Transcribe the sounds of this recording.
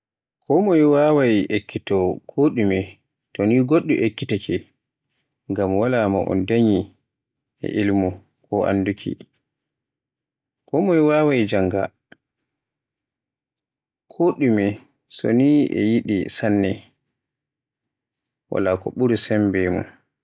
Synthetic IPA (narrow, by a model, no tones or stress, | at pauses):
kʰɔmɔjwawajʔekːitɔkʰoɗumɛ | tɔniɡoɗːuʔekːitakʰɛ | ŋɡamwalamaʔɔ̰ndaɲi | ɛ̰ʔilmu | kʰɔʔa̰ndukʰḭ | kɔmɔjwaːwajd͡ʒaŋɡa̰ | kʰoɗumɛ | sɔ̰niɛ̰jiɗḭsanːɛ | wa̰lakɔ̰ɓuɾusɛmbɛmɔ̰n